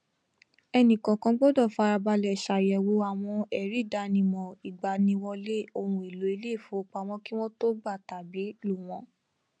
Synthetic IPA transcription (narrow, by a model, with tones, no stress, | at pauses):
ɛ˧nĩ˨kã˨kã˧ɡ͡bɔ˦dɔ˦˨fa˧ɾa˧ba˧lɛ˨ʃa˨jɛ˨wo˨˧a˨w̃ɔ̃˧ɛ˨ɾi˦˨da˧nĩ˧mɔ̃˨i˨ɡ͡ba˨nĩ˧wɔ˧le˦˨o˧hũ˧˦e˨lo˨˦i˧le˦˨fu˨˦k͡pa˧w̃ɔ̃˦ki˦w̃ɔ̃˦to˦ɡ͡ba˦˨ta˨bi˨˦lu˦˨w̃ɔ̃˨˧